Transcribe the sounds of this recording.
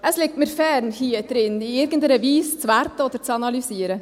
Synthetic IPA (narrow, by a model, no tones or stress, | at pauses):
ɛslɪk̚t̪mɛɾfeːɾn̩hiːət̪ːɾɪniɪɾɡənd̪ɾəʋiːssʋæːɾt̪əɔd̪əɾt̪ɑnɑlʏseːɾə